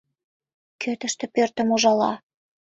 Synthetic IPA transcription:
kʰøt̪ə̆ʃt̪ĕpørt̪ə̆muʒɑlɑ̰

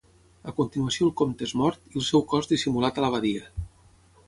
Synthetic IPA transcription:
əkunt̪inuasiolˠkomt̪ezmɔɾt̪ilˠsɛwkɔzðisimulat̪ələβ̞aðiə

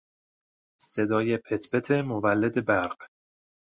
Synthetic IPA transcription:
se̞d̪ɒːjepʰet̪ʰbet̪ʰe̞movælːed̪e̞bæɾɢ̥

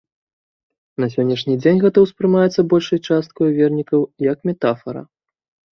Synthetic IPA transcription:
nɐsʲɔnʲːɐʂnʲid͡zʲenʲɣɛt̪ɐwspɾɨmajɛt̪sːɐbɔlʲʂɐjt͡ʂast̪̚kɔjuvʲɛrnʲikɐwjɐkmʲɛt̪afɐɾɐ̰

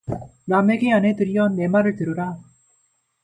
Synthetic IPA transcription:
nameɡeanɦetɯɾijʌne̞maɾɯɭtɯɾɯɾa

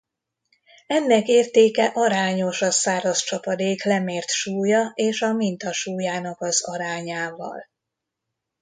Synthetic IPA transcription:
ɛnːɛkeːrt̪eːkɛʔɒɾaːɲo̞ʃɒsaːɾɒst͡ʃɒpɒd̪eːklɛmeːrt̪ʃuːjɒeːʃɒmint̪ɒʃuːjaːnɒkɒzɒɾaːɲaːvɒ̰l

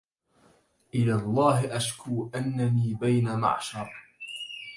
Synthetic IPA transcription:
ʔɪlaːlˤːɑːhɪʔaʃkuːʔanːaniːbajnama̰ʕʃɑɾˤ

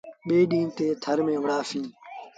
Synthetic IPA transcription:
ɓeːɗĩːnt̪eːt̪ʰəɾmẽːʋəɽaːfĩː

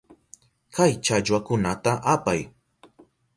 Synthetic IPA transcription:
kajt͡ʃaʎwakʊnat̪aʔapaj

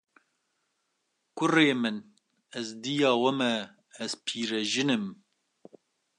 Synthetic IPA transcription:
kʷʊreːmɨn | ɛzd̪ijɑːwɐmɛː | zpʰiːɾɛʒɨnɨm

